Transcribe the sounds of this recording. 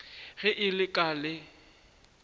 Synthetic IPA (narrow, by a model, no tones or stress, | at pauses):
ɣɪʔɪlɪkʼalɪ